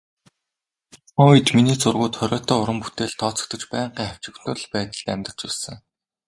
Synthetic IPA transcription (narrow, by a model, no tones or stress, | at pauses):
χɔːit̪miniːt͡sʊrɣʊːt̪χœɾʲɔːt̪ɔːʊɾə̆mput̪eːɮt̪ʰɔːt͡sɞ̥̆k̚t̪ə̆t͡ɕpæːɴɢiːŋχaw̥ʲt͡ɕɪ̆kt̪ʰʊ̆ɮpæːt̪ə̆ɮt̪ːæmʲt̪̆t͡ɕæsə̆ŋ